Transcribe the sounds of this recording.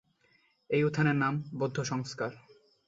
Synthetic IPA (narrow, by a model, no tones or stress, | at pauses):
ejut̪ʰːaneɾnambod̪ʱːoʃɔŋskaɾ